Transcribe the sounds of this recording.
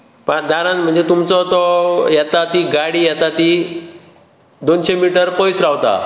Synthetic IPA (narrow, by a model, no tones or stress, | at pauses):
pəd̪aɾãnm̤əɳd͡zet̪umt͡sɔt̪ɔjɛt̪at̪iɡaɽiːjɛt̪at̪i | d̪onɕemiʈəɾpɔjsɾaʋt̪a̰